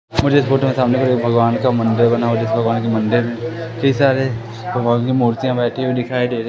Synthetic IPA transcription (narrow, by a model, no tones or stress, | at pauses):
mʊd͡ʒʱeːspoːʈmesaːmnekɐɾeːkbʱɐɡʋaːnkamɐ̃nɖeɾbɐnaod͡ʒɪsbʱɐɡʋaːnkemɐ̃ɳɖeɾmẽkɐisaːɾe | bʱɐɡʋaːnkimoːɾt̪ijãbɛːʈʰiod̪ɪkʰaːeɖeːɾ